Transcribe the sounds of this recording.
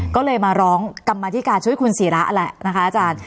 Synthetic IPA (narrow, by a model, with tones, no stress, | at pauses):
kɔː˥˩lɤː˧jmaː˧ɾɔː˦˥ŋka˧mːaː˧t̪ʰiː˦˥kaː˧nt͡ɕʰu˦˥əjkʰu˧nsiː˩˦la˦˥ʔlɛ˨˩ʔna˦˥kʰa˦˥ʔaː˧˩t͡ɕaː˧n